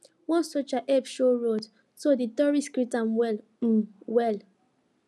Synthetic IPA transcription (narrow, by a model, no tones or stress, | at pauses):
wɔ̃nsot͡ʃaʔɛpʃoɹod | soditɔɹiskɹitãmwɛ | wɛl